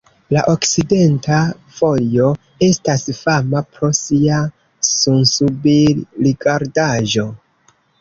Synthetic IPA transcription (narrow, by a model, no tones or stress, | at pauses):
laʔo̞kside̞nta | fo̞jo̞ | e̞stasfamapɾo̞sia | sunsubiɾiɡaɾdaʒo̞